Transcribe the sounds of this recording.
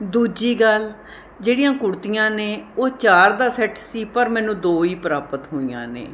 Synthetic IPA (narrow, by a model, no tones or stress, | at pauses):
d̪uːd͡ʒiːɡəl | d͡ʒeːɽɪjãːkʊɽt̪ijãːneːoːt͡ʃaːɾd̪aːsɛːʈsiːpəɾmɛ̃ːnũːd̪oːiːpəɾaːpət̪ɦoːijã̰ːnḛː